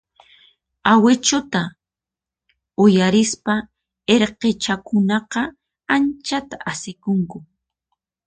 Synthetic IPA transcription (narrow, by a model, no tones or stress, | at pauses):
awɪt͡ʃʊt̪a | ʊjaɾɪspa | eɾqet͡ʃakʊnɑqɑ | ant͡ʃat̪aʔasɪkʊŋkʊ